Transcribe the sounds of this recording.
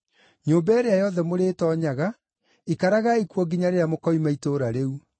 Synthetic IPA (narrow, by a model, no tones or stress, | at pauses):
ɲoːmbɛːɾeajɔðɛmoɾeːtɔɲaɣa | ikaɾaɣaikuɔɡiɲaɾeamokɔimaitoɾaɾeu